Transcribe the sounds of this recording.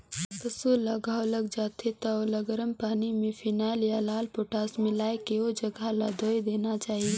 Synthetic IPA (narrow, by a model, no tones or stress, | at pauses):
k̪ɐsulɐɡaːolɐɡd͡ʒaːt̪et̪aolɐɡəɾəmpaːnimẽfʰinaːljalaːlpoːʈaːsmɪlaːekeod͡ʒɐɡʱalaːd̪ʱoːid̪eːnat͡ʃaːɦie